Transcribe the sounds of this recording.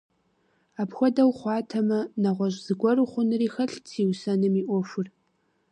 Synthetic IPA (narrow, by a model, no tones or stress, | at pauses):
apxʷɔdɐwχʷɑːtʰɐmɐnɐʁʷɔʒz̥ɨɡʷɔrɨχʷʊnriːxɐɬt͡sʰiːwsɐnɨmiʔʷɔʃʷʊr